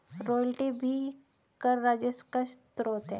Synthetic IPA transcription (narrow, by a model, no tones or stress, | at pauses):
ɾoːjlʈibʱi | kəɾːaːd͡ʒeskaʃt̪ɾoːt̪ɦɛ